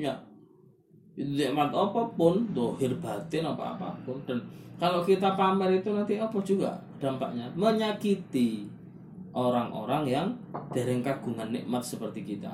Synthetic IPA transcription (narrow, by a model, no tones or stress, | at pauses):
ja | it̪unɪʔmat̪opɔpʊnzɔhɪrb̥at̪ɪnopɔ̰ʔa̰pa̰pʊnd̥a̤nkalokit̪apamɛɾit̪unant̪iɔpɔ̥d͡ʒ̥uɡa̰ | d̪̥a̤mpa̰ʔɲaməɲakit̪i | ʔoɾaŋʔo̰ɾaŋjaŋd̪̥a̤ɾɪŋkaɡ̥ṳŋanːɪ̰ʔmat̪̚səpərt̪ikit̪a̰